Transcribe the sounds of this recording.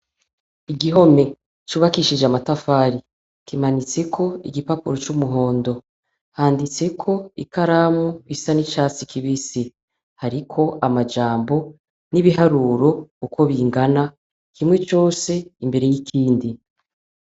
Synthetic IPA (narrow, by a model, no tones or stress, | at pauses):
iɡiɦo̞me̞ | t͡ʃuːβakiʃid͡ʒamatafaːɾi | kimanit͡se̞kʰo̞iɡipapuɾot͡ʃumuɦo̞ːndo̞ | haːndit͡se̞kʰo̞ikaɾaːmuβisanit͡ʃaːt͡sikʰiβisi | haɾikʰo̞ʔamad͡ʒaːmbo̞ | niβiɦaɾuːɾo̞uko̞βiːŋɡana | kʰimŋwe̞t͡ʃo̞ːse̞imbe̞ɾe̞jikʰiːndi